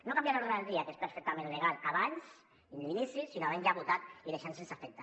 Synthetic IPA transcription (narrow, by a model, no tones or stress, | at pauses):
nokambjanoɾɾaelɾiakespeɾfek̚t̪amẽnleɣalaβans | ind̪inisisinoaβanʒaβut̪at̪iðeʃansensafɛk̚t̪a